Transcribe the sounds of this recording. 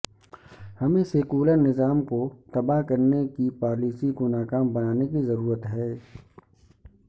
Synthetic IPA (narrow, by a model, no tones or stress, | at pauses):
hɐmẽsekuːlənɪzaːmkot̪ɐbaɦkɐɾnekipaːliːsikonaːkaːmbɐnaːnekizɐɾuːɾət̪ɦɛː